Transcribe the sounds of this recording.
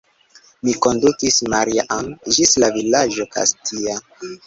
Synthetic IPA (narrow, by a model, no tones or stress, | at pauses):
miko̞ndukismaɾiaʔand͡ʒislavilad͡ʒo̞ka̰stʰia